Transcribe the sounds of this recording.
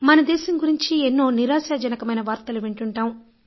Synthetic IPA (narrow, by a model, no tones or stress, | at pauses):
mɐnɐd̪ɛːʃɐmɡuɾiɲt͡ʃienːoːniɾaːsaːd͡ʒɐnɐkɐmɐjnɐʋaːɾt̪ɐluʋeɳʈuɳʈaːm